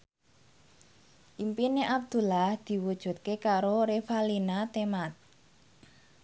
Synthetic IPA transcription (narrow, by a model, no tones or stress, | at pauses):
ʔimpineʔab̚d̪̥ṳlahd̪̥i̤wud̥ʒ̥ṳt̪̚kekaɾoɾefalinat̪emat̪̚